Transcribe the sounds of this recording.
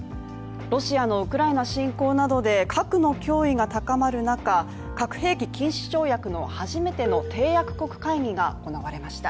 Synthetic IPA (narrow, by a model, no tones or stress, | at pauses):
ɾo̞ɕiano̞ɯ̟kɯ̟ɾainaɕĩŋko̞ːnad̪o̞d̪e̞kʰakɯ̟no̞kʲo̞ːiɡat̪akamaɾɯ̟naka | kakɯ̟̥ɦe̞ːkʲikʲĩɰ̃ɕi̥t͡ɕo̞ːjakɯ̟no̞̰haʑime̞t̪e̞no̞t̪ʰe̞ːjakɯ̟̥ko̞kɯ̟̥kaiŋʲiɡaoko̞naβaɾe̞maɕi̥t̪a